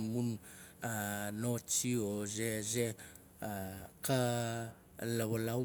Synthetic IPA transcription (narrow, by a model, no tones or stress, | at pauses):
munanot͡ʃiozeze | ka | laβala